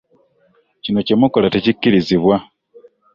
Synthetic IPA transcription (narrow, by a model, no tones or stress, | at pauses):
cino̞cemukolatecikːiɾiziβwa